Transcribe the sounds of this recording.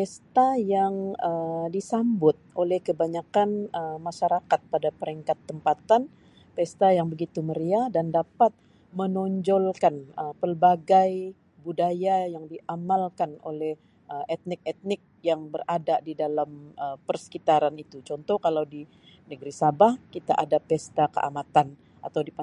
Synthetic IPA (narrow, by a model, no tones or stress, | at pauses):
t̪ɛst̪ajaŋədisambʊt̪̚ʔolɛhkəbaɲakanəmaʃaɾakat̪̚padapəɾiŋkat̪ːəmpat̪an | p̪ɛst̪ajaŋbəɡit̪uməɾiadandapat̪̚ | mənɔɲd͡ʒɔlkanəpərbaɡaj | budajajaŋdiʔamalkano̰lɛh | əʔɛt̪̚nɪk̚ɛt̪̚nɪk̚jaŋbəradadidalaməpərsə̥kit̪aɾanit̪ut͡ʃɔnt̪ɔhkalawdi | nəɡɾisabahkit̪aʔadapɛst̪akə̰ʔa̰mat̪an | a̰t̪awdip